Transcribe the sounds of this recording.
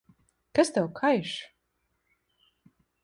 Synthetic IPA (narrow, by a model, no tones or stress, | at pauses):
kast̪ɛwkʰajʃ